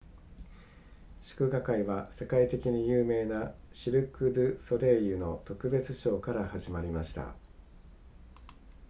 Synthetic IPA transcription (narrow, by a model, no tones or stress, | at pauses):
ɕi̥kɯ̟ɡakaiβase̞kait̪e̞kʲiɲ̟ijɯːme̞ːnaɕiɾɯ̟kɯ̟d̪ɯ̟so̞ɾe̞ːjɯ̟no̞t̪o̞kɯ̟be̞t͡sɨɕo̞ːkaɾahaʑimaɾʲimaɕi̥t̪a̰